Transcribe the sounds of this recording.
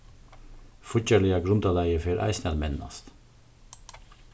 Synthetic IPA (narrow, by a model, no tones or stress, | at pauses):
fʊc͡çəɭɪɑɡɾʉnd̪ɑːlæɪəfeːɾʔæ̰ɪsnɛlmɛnnɑ̰st̪